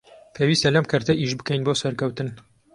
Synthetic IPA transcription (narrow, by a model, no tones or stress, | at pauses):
pʰeːwiːst̪ɐlɐmkʰɐɾt̪ɐʔiʃbɨkɛjnboːsɐɾkɐwt̪ɨn